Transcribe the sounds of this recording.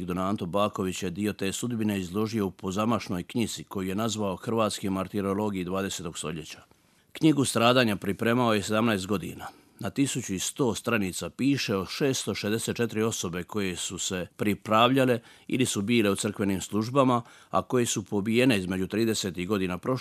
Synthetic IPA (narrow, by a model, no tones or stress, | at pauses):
ɡd̪onaːnt̪o̞baːko̞ʋit͡ɕjed̪io̞t̪e̞ːsud̪bine̞izlˠo̞ʒio̞upʰo̞zamaʃno̞jkɲiz̥iko̞jije̞nazʋao̞xr̩ʋaːt̪skimaɾt̪iɾolo̞ɡijid̪ʋaːd̪eset̪o̞ɡst̪o̞̰ʎe̞t͡ɕḁ | kɲiɡust̪ɾaːd̪aːɲapɾipɾe̞ːmao̞je̞se̞d̪amnaest̪ɡo̞d̪ḭːna | nat̪isut͡ɕuist̪o̞ːst̪ɾanit̪sapiːʃe̞oʃe̞ːst̪o̞ʃezd̪e̞se̞t̪t͡ʃe̞t̪ɾio̞so̞be̞kʰo̞je̞suse̞pɾipɾaːʋʎale̞ | ḭlisubiːle̞ur̩kʋe̞niːmslˠuʒbama | a̰ko̞je̞supo̞bije̞ne̞izme̞d͡ʑut̪ɾiːd̪e̞se̞ːt̪iɣɡo̞d̪iːnapɾo